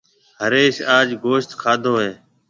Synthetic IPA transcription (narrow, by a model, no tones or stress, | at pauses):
ɦəɾeːsaːd͡ʒɡoːʃt̪kʰaːd̪ʱoːɦeː